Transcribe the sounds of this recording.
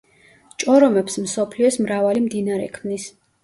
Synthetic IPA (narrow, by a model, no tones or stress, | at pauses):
t͡ʃʼɔɾɔmɛpsmsɔpʰliɔsmɾavalimd̪inaɾɛ̰kʰmnis